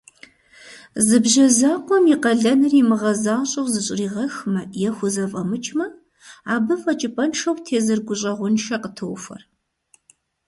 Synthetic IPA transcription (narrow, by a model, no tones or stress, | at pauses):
zɨbʒɐzaːqʷɔmiqɐɮɐnɨrimɨʁɐzaːɕʼɐwzɨɕʼɪriːʁɐxmɐjɛxʷʊzɐfʼɐmɨt͡ʃʼmɐ | aːbɨfʼɐt͡ʃʼɪpʼɐnʂɐwtʰeːzɨrɡʷʊɕʼɐʁʷʊnʃɐqətʰɨwfɐ̰r